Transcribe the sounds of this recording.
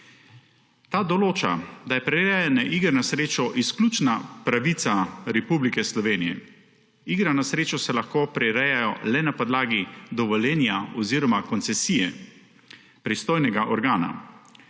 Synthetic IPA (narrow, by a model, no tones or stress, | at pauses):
t̪aːd̪ɔloːt͡ʃa̰d̪ajɛpɾɛɾɛjanɛʔiːɡɾɛnasɾeːt͡ʃɔʔisklʲuːt͡ʃnapɾaʋit̪saɾɛpublikɛslɔʋeːnijɛ̰ | iɡɾanasɾeːt͡ʃɔsɛlaxkoːpɾɛɾɛjajɔlɛnapɔd̪laːɡid̪ɔʋɔlɛːnjaɔziːɾɔmakɔnt̪sɛsiːjɛ | pɾist̪oːjnɛɡaʔɔɾɡaːna̰